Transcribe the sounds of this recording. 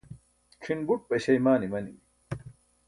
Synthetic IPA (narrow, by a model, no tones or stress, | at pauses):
kʰinbuʈ̚pɐɕɐjmaːnimɐnḭmi